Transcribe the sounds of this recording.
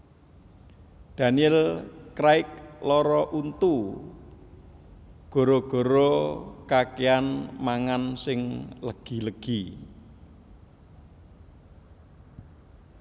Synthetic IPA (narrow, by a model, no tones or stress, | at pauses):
d̪̥a̤niɛlkɾaɪk̚lɔɾɔʔunt̪u | ɡ̥o̤ɾoɡ̥o̤ɾɔkakeanmaŋansɪŋləɡ̥i̤ləɡ̥i